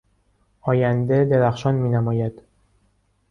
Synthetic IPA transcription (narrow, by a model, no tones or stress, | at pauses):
ɒːjænd̪ed̪e̞ɾæxʃɒnmiːnæmɒːjæd̪̥